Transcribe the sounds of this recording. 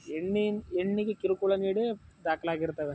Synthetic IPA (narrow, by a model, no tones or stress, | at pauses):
ɛɳːiɛɳːikːɯkɪɾɯkːuɭɐniːɽɯd̪aːkɪlaːɣɪɾɯt̪ːɐʋe